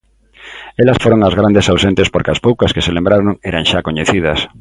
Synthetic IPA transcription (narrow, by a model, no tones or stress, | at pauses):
elɐsfoɾoŋazɣɾand̪esawsent̪espoɾkɪɐspowkɐskeselẽmbɾaɾoŋeɾaŋʃakoɲeθið̞ɐs